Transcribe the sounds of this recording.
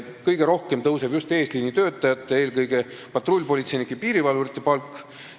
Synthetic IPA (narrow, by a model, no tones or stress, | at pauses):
kɤjɡ̥e̞ɾo̞hke̞mt̪ɤwseb̥just̪e̞ːsliːnit̪ø̞ːt̪ːˑɑjɑt̪ːˑee̞ːlkɤjɡ̥e̞ | pɑt̪ˑro̞lʲːpo̞lʲit̪se̞jnikːipiːɾivɑluɾit̪ːˑe̞pɑlkː